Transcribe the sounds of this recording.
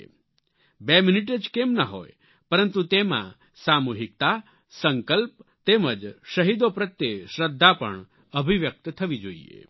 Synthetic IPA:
beminiʈəd͡ʒkemnəɦo̰j | pəɾənt̪ut̪emã̰ | samuɦik̚t̪a | səŋkəlp̚t̪eməd͡ʒʃəɦid̪opɾət̪jeʃɾəd̪ʱːapə̰ɳ | əbʱiʋjək̚t̪t̪ʰəʋid͡ʒoḭḛ

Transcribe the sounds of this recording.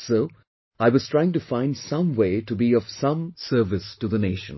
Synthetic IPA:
soʊ | aɪwʌz̥tʰɹ̥aɪɪ̃ŋtɨfãɪ̃ndsʌ̃mweɪtɨbiʌv̥sʌ̃msɜ˞vɨstɨðəneɪʃə̰̃n

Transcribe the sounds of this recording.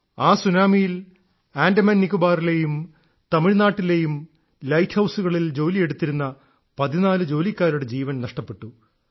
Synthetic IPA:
aːsunaːmijil | aːndɐmɐnːikʲːubaːrile̞jum | t̪ɐmiɻnaːʈːile̞jum | lɐjtʰhɐwsuɣɐɭild͡ʑo̞ːlije̞ɽut̪ːiɾunːɐ | pɐðinaːlɨd͡ʑo̞ːlikʲːaːɾuɽe̞d͡ʑiːʋɐnnɐʂʈɐpːe̞ʈːu

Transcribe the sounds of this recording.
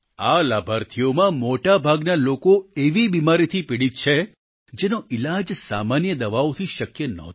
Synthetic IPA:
alabʱaɾt̪ʰijomãmoʈabʱaɡnalokoeʋibimaɾit̪ʰipiɽit͡ʃʰe | d͡ʒenoɪlad͡ʒsamanjəd̪əʋaʋt̪ʰiʃəkjənə̰ɦt̪

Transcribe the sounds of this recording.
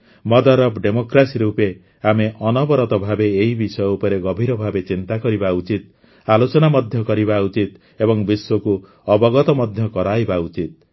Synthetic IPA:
mɔd̪aɾɔbɖemokɾasiɾupe | ameʔɔnɔbɔɾɔt̪ɔbʱabeːɦibisɔjɔupɔɾeɡɔbʱiɾɔbʱabet͡ʃint̪akɔɾibaut͡ʃit̪̚ | alot͡ʃɔnamɔd̪ʱjɔkɔɾibaut͡ʃit̪ | ebɔŋbiswɔku | ɔbɔɡɔt̪ɔmɔd̪ʱjɔkɔɾajbaut͡ʃit̪̚

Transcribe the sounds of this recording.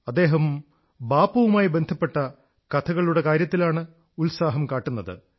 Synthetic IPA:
ɐd̪ːe̞ːɦɐm | baːpɐʋumaːjibend̪ʱɐpːe̞ʈːɐ | kɐt̪ʰɐɣɐɭuɽe̞kaːɾjɐt̪ːilaːɳɨ | ulsaːɦɐmkaːʈːunːɐðɨ̰

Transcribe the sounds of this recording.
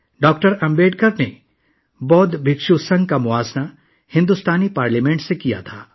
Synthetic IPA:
ɖɔːkʈəɾɐ̃mbeːɖkəɾne | bɔːd̪bʱɪkʃusɐ̃ŋɡ̚kamʊʋaːzna | hɪ̃nd̪ust̪aːnipaːɾləmẽːɳʈsekija̰t̪ʰaː

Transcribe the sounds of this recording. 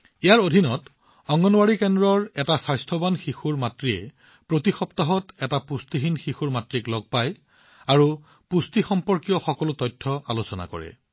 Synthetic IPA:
ejaɹodʱinɔt | ɔŋɡɔnwaɹikɛndɹɔɹɛtasajstʰɔbanxixuɹmatɹiɛ̰ | pɹotixɔptaɦɔtɛtapustiɦinxixuɹmatɹiklɔɡ̚paj | aɹu | pustixɔmpɔɹkijɔxɔkɔlʊtɔjtʰːɔalosɔna̰kɔ̰ɹɛ̰

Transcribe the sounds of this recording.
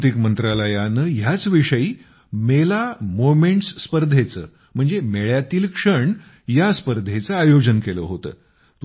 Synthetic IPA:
t̪ikmənt̪ɾaləjanəɦjat͡sʋiʂəiː | melamomeɳʈsːpəɾd̪ʱet͡səː | m̤əɳd͡zemeɭjat̪iːlkʂəɳ | jaspəɾd̪ʱet͡səajod͡ʑənkelə̰ɦot̪ə̰ː | t̪

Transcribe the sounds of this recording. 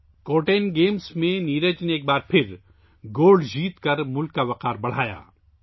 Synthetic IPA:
koːʈeːnɡeːmsmẽniːɾəd͡ʒneeːk̚baːɾpʰɪɾ | ɡoːlɖd͡ʒiːt̪kɐɾmʊlkːaʋɐqaːɾbɐɽ̤aːja̰ː

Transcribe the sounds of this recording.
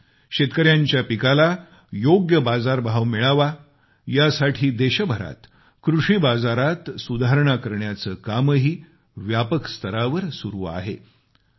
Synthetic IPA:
ɕet̪kəɾjaɲt͡ɕjapikala | joɡjəbad͡zaɾbʱaʋmiɭaʋa | jasaʈʰiːd̪eɕəbʱəɾa̰t̪ | kɾuʂiːbad͡zaɾat̪sud̪ʱaɦɾɳakəɾɳjat͡səːkaməɦiː | ʋjapəkst̪ʰəɾaʋəɾsuɾuːa̰ɦḛ

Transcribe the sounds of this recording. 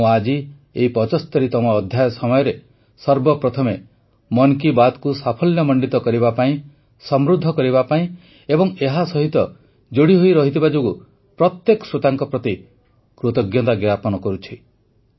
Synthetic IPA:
uad͡ʒi | eipɔt͡ʃɔst̪ɔɾit̪ɔmɔːd̪ʱjajɔsɔmɔjɔɾe | sɔɾbɔpɾɔt̪ʰɔme | mɔŋkibat̪kusapʰɔljɔmɔɳɖit̪ɔkɔɾibapaĩ | sɔmɾud̪ʱːɔkɔɾiβapaĩ | ebɔŋeɦasɔɦit̪ɔ | d͡ʒoɽiɦojɾɔɦit̪ʰibad͡ʒoɡu | pɾɔt̪jekɔ̥sɾot̪aŋkɔpɾɔt̪i | kɾut̪ɔɡjɔt̪aɡjapɔnɔkɔɾut͡ʃʰi

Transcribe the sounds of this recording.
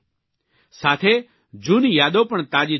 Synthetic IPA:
saːt̪ʰeː | d͡ʒuːnijaːd̪opəɳt̪aːd͡ʒi

